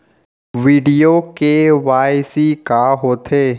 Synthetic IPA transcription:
ʋiːɖijokeʋaːjsikaɦoːt̪ʰeː

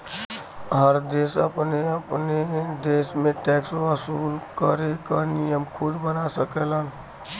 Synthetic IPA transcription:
ɦəɾd̪esəpneəpned̪esmẽʈɛksʋəsulkəɾekənijəmkʰud̪bənasəkelən

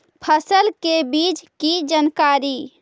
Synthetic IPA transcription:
pʰəsəlkebiːt͡ʃkid͡ʒənkaːɾiː

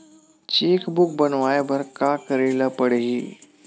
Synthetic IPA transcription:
t͡ɕekbuk̚bənʋajbʱəɾkakəɾeləpəɽɦiː

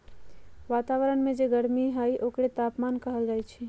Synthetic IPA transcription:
ʋaːt̪aːʋəɾənmẽd͡ʒeɡəɾmiɦəjʔoːkɾet̪aːpmaːnkəɦəld͡ʒaːjt͡ʃʰi

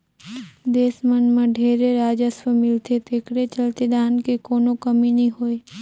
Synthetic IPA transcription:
d̪eːsmənmãɖʱeːɾeɾaːd͡ʒəswəmɪlt̪ʰet̪ekɽet͡ʃəlt̪ed̪aːnkekoːnokəminĩɦoːj

